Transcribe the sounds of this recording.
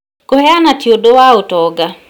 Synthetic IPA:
ɡ̥ohɛanatjodowaotɔɡa

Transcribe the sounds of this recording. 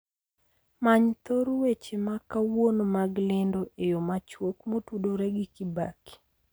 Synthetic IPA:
maɲt̪oɾwet͡ʃemakawonomaɡlendoʔejomat͡ʃwokmotudoɾɛɡikibaki̥

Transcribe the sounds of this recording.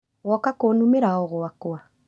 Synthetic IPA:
ɣwɔkakonumeɾaɔɣwakwa

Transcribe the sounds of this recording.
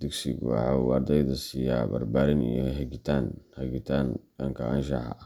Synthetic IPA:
d̪ɛɡsɪ̰ɡwɑ̰ħɑuɑrd̪ɛjðɐsiːja̰ːbɐ̰rbaːɾɪnḭjɔɦɛɡɪt̪ʰaːnhɛɡɪt̪ʰaːnɐŋkʰɐɐnʃɑħɑ

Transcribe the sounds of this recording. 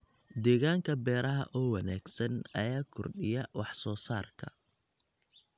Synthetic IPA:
d̪ɛːɣaːŋkʰɐbɛːɾɐɦɐ̰ʔɔːwɑnaːɡsɐnɐjaːkʰɔrɖɪjɐwɑħsɔːsaːrkʰɐ̰

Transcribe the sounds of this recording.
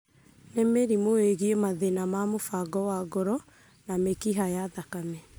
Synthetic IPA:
nɛmeɾimoeɣiemaðenamamofaɡɔwaɡɔɾɔ | namekiɦajaðakamɛ

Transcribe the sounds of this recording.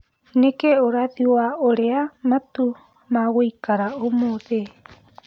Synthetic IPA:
nekeoɾaðiwaoɾeamat̪u | mawojkaɾaomoðe

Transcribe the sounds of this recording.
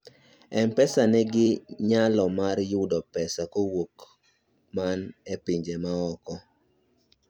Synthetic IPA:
ɛmpɛsanɛɡɪɲalɔmarjʊdɔpɛsakowok | manɛpiɲd͡ʒemaɔkɔ

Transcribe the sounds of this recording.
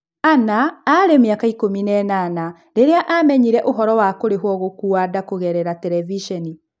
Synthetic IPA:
anaːɾemjakaikominɛnana | ɾeɾeaʔamɛɲiɾɛʔoɦɔɾɔwakoɾeɦwɔɣokuadakoɣɛɾɛɾatɛɾɛviʃɛni

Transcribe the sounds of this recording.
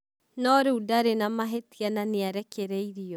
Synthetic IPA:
nɔɾeudaɾenamaɦetiananeaɾɛkeɾɛiɾiɔ

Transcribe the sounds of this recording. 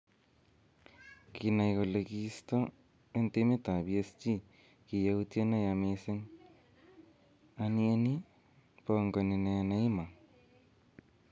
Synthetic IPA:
kinajkolekist̪o | ent̪emet̪abiest͡ʃi | kijawt̪ienajameseŋ | anieni | poŋkonenajanaimaŋ

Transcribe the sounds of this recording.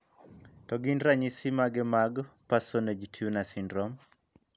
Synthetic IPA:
tɔɡinɾaɲisimaɡɛmaɡpasoned͡ʒtʰjunasindɾɔm

